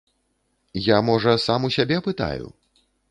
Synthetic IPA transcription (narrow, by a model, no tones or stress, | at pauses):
jamɔʐɐsamusʲabʲɛpɨt̪a̰jṵ